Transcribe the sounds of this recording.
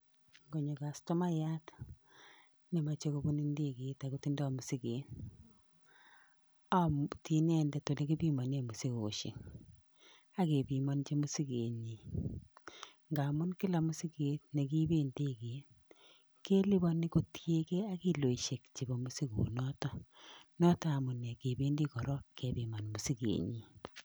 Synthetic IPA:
ŋɡo˨ɲo˨ka˨stɔ˦ma˦ja˦t | nɪ˨ma˨t͡ʃe˦ko˦bu˦ni˦nde˦ke˨ta˨ku˨ti˦ndɔ˨mʊ˨si˦ke˨t | amti˦nɛndɛ˨to˨le˦ki˦bi˦mɔ˨ne˨mu˨si˦ko̰˨ʃḛ˨ŋ | a˦ke˨bi˨mɔ˦nt͡ʃe˦mʊ˦si˦ke˨ɲi˨ | ŋɡa˨mʊ˦nkɪ˦la˨mʊ˦si˦ke˨tne˨ki˦be˦ndeke˨n | ke˦li˦bɔ˦ni˦ko˦tje˦kɛ˦a˦ki˦lo˨i˨ʃe˨kt͡ʃi˨bɔ˨mu˦si˦kṵ˨nɔ˦tɔ˦nɔ˦taː˦˨mʊ˨ne˨ke˨be˦ndi˦kɔ˨ɾɔ˦ke˨bi˨ma˨nmu˨si˦kḛ˨ɲi˨

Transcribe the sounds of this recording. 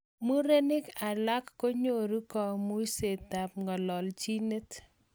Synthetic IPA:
mu˦ɾe˦nɪ˦ka˨la˦kːo˦ɲo˨ɾu˦kɔ˨mu˦se˨ta˨p̚ŋɔ˨lɔ˨lt͡ʃi˦ne˦t

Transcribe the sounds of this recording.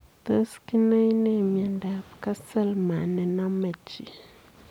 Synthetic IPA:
t̪ə˦ski˦nə˦i˦ne˦m˨a˨nda˨pka˦sə˦˨lma˨nɛ˨na˦mə˨t͡ʃi˨

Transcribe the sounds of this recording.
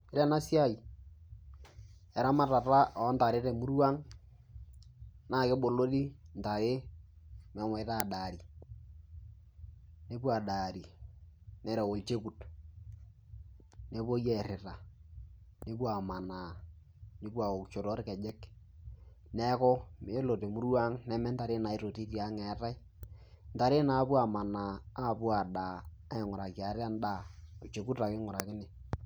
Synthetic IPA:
ɪ˦ɾɛ˦na˦sja˦˨i˨ | ɛ˨ɾa˦ma˦ta˨ɾa˦ɔ˨˦nta˨ɾɪ˦ɾɛ˨mu˦ɾwa˦ŋ | naː˦˨ke˦bo˨lo˦li˦n˨ta˨ɾe˦ | mɛ˨mɔ˨ɪ˦ta˦˨daː˨ɾi˨ | ne˦kwa˨da˨ɾi˨ | nɛ˨˦ɾɛ˨wo˨t͡ʃe˦ku˨t | ne˦po˦jɛ˨ɾɪ˨ta˨ | ne˦pwa˨ma˨naː˨ | ne˦pwa˨o˨kt͡ʃo˨ɾo˦ɾkɛ˨d͡ʒɛ˦k | nɛ˦kɔ˦me˨˦lo˨te˨mʊ˦ɾwa˦ŋnɛ˦mɛ˦nta˨ɾɪ˦na˨i˦ɾo˨ti˦tja˨˦ŋɛ˨˦ta˦i˦ | n̩˦ta˨ɾɪ˦na˨˦pwa˨ma˨na˨a˦˨pwa˨daː˨˦ | ɛ˨ŋʊ˨ɾa˨ki˨a˨˦ɾa˦nda˦˨o˨t͡ʃe˨ku˦ta˨kɪ˦ŋʊ˨ɾa˨kɪ˦nɪ˨

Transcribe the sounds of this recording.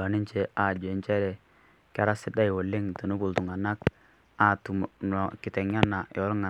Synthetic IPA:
a˨ni˦t͡ʃɛ˨a˨d͡ʒɛ˨nt͡ʃɛ˦ɾɛ˨ | ka˦ɾa˦si˦da˦i˨wo˨lːɪ˦ŋtu˨nu˦bu˨ltu˨ŋa˨na˦k | a˨tu˨nɔ˨kɪ˨tɛ˨ŋa˦na˨jɔ˨˦ɾŋa˨

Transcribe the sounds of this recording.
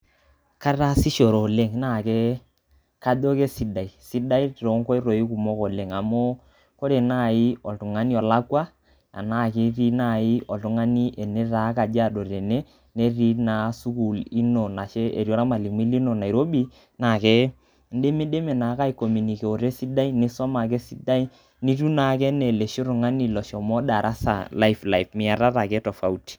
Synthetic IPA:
ka˦ɾa˦si˦ʃo˨ɾo˨le˦ŋna˦˨ke˦ | ka˦do˦ke˦si˦da˨i˨si˦da˦i˦˨ɾo˨˦ŋ˦ko˦i˦ɾo˨i˦ku˨mo˦kɔ˨le˨ŋa˨mo˦ | ko˦ɾe˨na˦˨ɪ˦ɔ˨ltu˨ŋa˦ni˦ɔ˨la˦kwa˦ | a̰˨na˦˨ke˦ɾi˦na˦˨ɪ˦ɔ˨ltu˨˦ŋa˦ni˦ʔe˨ne˦ɾa˨˦ka˨d͡ʒa˦˨do˨ɾe˨ne˦ | ne˦ɾi˦na˨˦su˦ku˨li˦no˨na˨ʃɛ˦ḛ˨ɾjɔ˦ɾa˦ma˨li˨mi˦li˦no˨na˨i˨ɾo˦bi˦ | na˨kɛ˦ | n̩˦de˦mi˦de˦me˨na˨˦ka˦i˨ko˨mi˨ni˨ke˨o˨ɾe˦si˦da˦i˦nɪ˦sɔ˦ma˨k̬ɛ˦si˦da˦i˦ | ni˦ɾu˦na˨kɛ˦ne˨le˨ʃi˦ɾu˨ŋa˦ni˦˨lɔ˨ʃɔ˨mɔ˦da˨ɾʔa˦sa̰˨la˦ifla˨i˨fmɪ˨a˨ɾa˦ta˨kɛ˦tɔ˨fa˦u˦ti̥˨

